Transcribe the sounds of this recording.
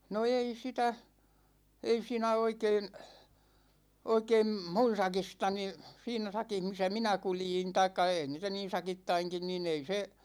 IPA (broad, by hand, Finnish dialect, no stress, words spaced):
no ei sitæ ei siːnæ oikeːn oikeːm mun̞ sɑkistɑni siːnæ sɑkih misæ minæ kuljin tɑikːɑ eˑi niːtæ niːn̞ sɑkitːɑiŋkin nin ei se